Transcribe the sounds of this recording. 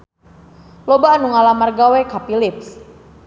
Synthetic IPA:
lobanuŋalamarɡawekapilip̚s

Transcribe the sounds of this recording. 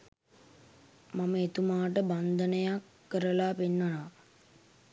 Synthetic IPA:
maməet̪umaːʈəband̪ənəjakːəɾəlaːpenːəna

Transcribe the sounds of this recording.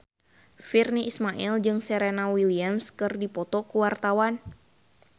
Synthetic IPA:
firniʔismaʔild͡ʒɨŋsɛɾenawiliamskɨrdipɔt̪ɔkuwart̪awan

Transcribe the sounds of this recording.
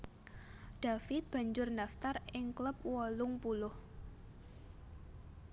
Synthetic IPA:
d̥afɪt̪̚b̥a̤ɲd͡ʒʊrnaft̪arɪŋkləp̚wɔlʊŋpulʊh

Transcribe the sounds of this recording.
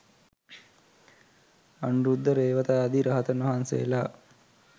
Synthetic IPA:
anuɾud̪ʱːəɾeːʋət̪aad̪iɾɐɦət̪ənʋɐɦansḛla

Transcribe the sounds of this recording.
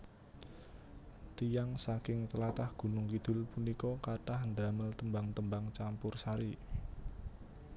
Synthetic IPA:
t̪ijaŋsakɪŋt̪əlat̪ahɡ̥ṳnʊŋkid̪̥ʊ̤lpunikɔkaʈahɳdaməlt̪əmbaŋt̪əmbaŋt͡ʃampʊrsaɾi

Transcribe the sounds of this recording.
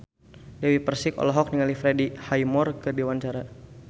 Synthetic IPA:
dɛwipərsɪkɔ̰lɔɦɔk̚niŋalifɾɛdihajmɔrkədewaɲt͡ʃaɾa

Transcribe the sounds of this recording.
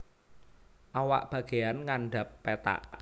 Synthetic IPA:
ʔawa̰ʔb̥ä̤ɡ̥e̤janŋanɖa̤pːet̪a̰ʔ

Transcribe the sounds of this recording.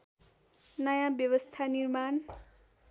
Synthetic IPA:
nʌjãbjʌwʌst̪ʰanirman

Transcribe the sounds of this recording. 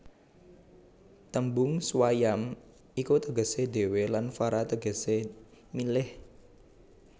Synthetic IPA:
t̪əmbʊŋswajam | ikut̪əɡə̤sede̤welanfaɾat̪əɡəsemilɪh

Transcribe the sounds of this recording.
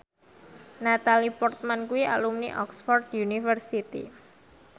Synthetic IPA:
nat̪alipɔrt̪̚mankuwiʔa̰lumniʔɔ̰ksfɔrd̪junifərsit̪ḭ

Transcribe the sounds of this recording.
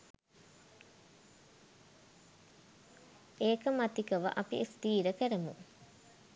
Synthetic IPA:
eːkəmɐt̪ikɐʋɐ̰ʔɐpḭʔest̪iːɾəkəɾɐmṵ

